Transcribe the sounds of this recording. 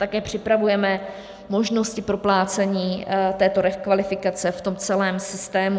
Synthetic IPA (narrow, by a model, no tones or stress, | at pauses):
t̪akɛːpr̝̥ɪpɾavujɛmɛ | mo̞ʒno̞scɪpɾo̞plaːt͡sɛɲiːt̪ɛːt̪o̞ɾɛkvalɪfɪkat͡sɛft̪o̞mt͡sɛlɛːmsɪst̪ɛːmu